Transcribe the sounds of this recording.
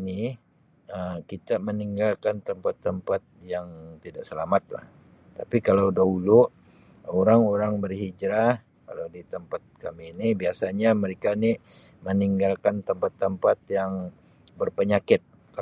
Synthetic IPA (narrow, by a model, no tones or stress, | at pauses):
ni | əkit̪aməniŋɡalkant̪əmpat̪ːəmpat̪̚jaŋt̪idaʔsəlamat̪̚la̰h | t̪apikalawdaulʊʔ | oɾaŋoɾaŋbərhid͡ʒɾah | ka̰lawdit̪əmpat̪̚kamiːnibiasaɲaməɾekaniməniŋɡalkant̪əmpat̪ːəmpat̪̚jaŋ | bərpəɲakɪt̪̚ | ka